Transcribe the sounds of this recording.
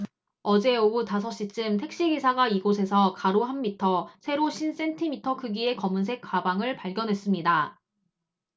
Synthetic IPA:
ʌd͡ʑe̞outasʰʌɕ͈it͡ɕ͈ɯmtʰe̞k̚ɕ͈iɡisʰaɡaiɡosʰe̞sʰʌkaɾoɦamːitʰʌsʰe̞ɾoɕʰins͈e̞ntʰimitʰʌkɯɡie̞kʌmuns̬ʰe̞k͈ʰːwabaŋɯɭpaɭɡjʌnɦwe̞s͈ɯmɲida

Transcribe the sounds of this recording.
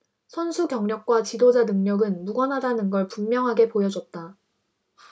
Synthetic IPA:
sʰʌnsʰukjʌŋɲʌk̚k͈wat͡ɕidod͡ʑanɯŋɲʌɡɯnmuɡʌnɦadanɯnɡʌɭpummːjʌŋɦaɡe̞pojʌd͡ʑʌt̚t͈a

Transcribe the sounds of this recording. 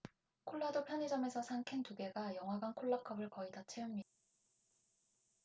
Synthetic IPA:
kʰoɭːadopʰjʌɲed͡ʑʌme̞sʰʌsʰaŋkʰentuɡe̞ɡajʌŋɦwaɡankʰoɭːakʰʌbɯɭkʌidat͡ɕʰeumɲida

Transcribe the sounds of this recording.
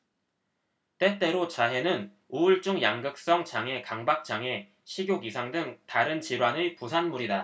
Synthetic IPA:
t͈e̞t͈e̞ɾot͡ɕaɦe̞nɯn | oɯɭt͡ɕ͈uŋjaŋɡɯk̚s͈ʌŋt͡ɕaŋe̞kaŋbak̚t͡ɕ͈aŋe̞ | ɕʰiɡjoɡisʰaŋdɯŋtaɾɯnt͡ɕiɾwanɯpusʰanmuɾida

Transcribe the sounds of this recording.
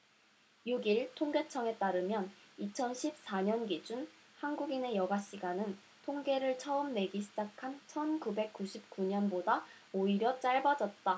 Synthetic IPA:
juɡiɭtʰoŋɡet͡ɕʰʌŋe̞t͈aɾɯmjʌnit͡ɕʰʌnɕʰip̚s͈aɲʌnɡid͡ʑun | hanɡuɡine̞jʌɡaɕ͈iɡanɯn | tʰoŋɡe̞ɾɯɭt͡ɕʰʌɯmne̞ɡiɕʰid͡ʑakʰant͡ɕʰʌnkube̞k̚k͈uɕʰip̚k͈uɲʌnboda | oiɾjʌt͡ɕ͈aɭbad͡ʑʌt̚t͈a

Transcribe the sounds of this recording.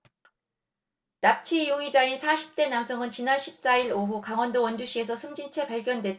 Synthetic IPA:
nap̚t͡ɕʰijoɡid͡ʑainsʰaɕʰi̥p̚t͈e̞namsʰʌŋɯnt͡ɕinaɭɕʰip̚s͈aiɾoɦukaŋwʌndowʌnd͡ʑuɕʰie̞sʰʌsʰɯmd͡ʑint͡ɕʰe̞paɭɡjʌndwe̞

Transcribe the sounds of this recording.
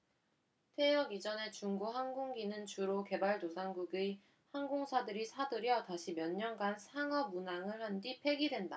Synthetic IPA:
tʰe̞jʌɡid͡ʑʌne̞t͡ɕuŋɡuɦanɡoŋɡinɯnt͡ɕuɾoke̞baɭdosʰaŋɡuɡi | hanɡoŋsʰadɯɾisʰadɯɾjʌtaɕʰimjʌɲːʌnɡansʰaŋʌmunaŋɯɭhandipʰe̞ɡidwe̞nda

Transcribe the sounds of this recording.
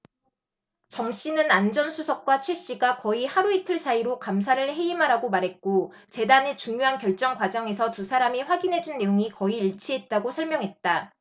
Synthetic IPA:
t͡ɕʌŋɕ͈inɯnand͡ʑʌnsʰusʰʌk̚k͈wat͡ɕʰwe̞ɕ͈iɡakʌihaɾuitʰɯɭsʰaiɾokams̬ʰaɾɯɭɦe̞imɦaɾaɡomaɾɦe̞t̚k͈o | t͡ɕe̞danet͡ɕuŋjoɦankjʌɭt͡ɕ͈ʌŋɡwad͡ʑʌŋe̞sʰʌtusʰaɾamiɸwaɡinɦe̞d͡ʑunːe̞joŋikʌiiɭt͡ɕʰiɦe̞t̚t͈aɡosʰʌɭmjʌŋɦe̞t̚t͈a

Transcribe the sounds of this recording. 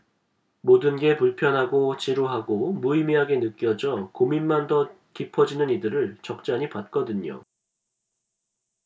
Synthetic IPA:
modɯnɡe̞puɭpʰjʌnɦaɡot͡ɕiɾuɦaɡomuimiɦaɡe̞nɯk͈jʌd͡ʑʌkominmandʌ | kipʰʌd͡ʑinɯnidɯɾɯɭt͡ɕʌk̚t͡ɕ͈aɲipat̚k͈ʌdɯɲo̰

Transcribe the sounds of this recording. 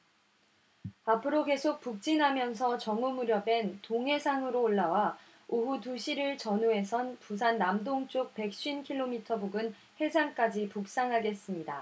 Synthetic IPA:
apʰɯɾoke̞sʰok̚p͈uk̚t͡ɕ͈inɦamjʌns̬ʰʌt͡ɕʌŋumuɾjʌbe̞ntoŋɦe̞sʰaŋɯɾoːɭːawa | oɦutuɕʰiɾɯɭt͡ɕʌnue̞sʰʌnpus̬ʰanːamdoŋt͡ɕ͈ok̚pe̞k̚ɕ͈ɥiinkʰiɭːomitʰʌbuɡɯn | he̞d͡ʑʰaŋk͈ad͡ʑipuk̚s͈aŋɦaɡe̞s͈ɯmɲida

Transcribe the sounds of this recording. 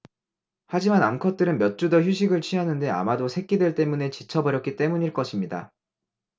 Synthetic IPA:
had͡ʑimanamkʰʌt̚t͈ɯɾɯnmjʌt̚t͡ɕ͈udʌçjuɕʰiɡɯɭt͡ɕʰiɦanɯnde̞a̰madosʰe̞k͈idwe̞ɭt͈e̞mune̞t͡ɕit͡ɕʰʌbʌɾjʌk͈it͈e̞muɲiɭk͈ʌɕʰimɲida̰

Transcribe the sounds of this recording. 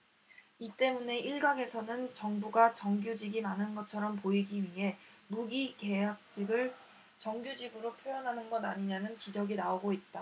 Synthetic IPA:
it͈e̞mune̞ʔiɭɡaŋe̞sʰʌnɯnt͡ɕʌŋbuɡat͡ɕʌŋɡjud͡ʑiɡimanɯnɡʌt͡ɕʰʌɾʌmpoiɡiɥiɦe̞muɡike̞ɦak̚t͡ɕ͈iɡɯɭ | t͡ɕʌŋɡjud͡ʑiɡɯɾopʰjojʌnɦanɯnɡʌdaɲiɲanɯnt͡ɕid͡ʑʌɡinaoɡoit̚t͈a

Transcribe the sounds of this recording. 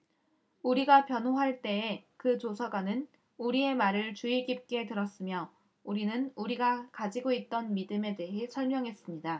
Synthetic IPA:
uɾiɡapjʌnɦoɦaɭt͈e̞ːkɯt͡ɕosʰaɡwanɯn | uɾie̞maɾɯɭt͡ɕuiɡip̚k͈e̞tɯɾʌs͈ɯmjʌ | uɾinɯnuɾiɡakad͡ʑiɡoit̚t͈ʌnmidɯme̞de̞ɦe̞sʰʌɭmjʌŋɦe̞s͈ɯmɲida

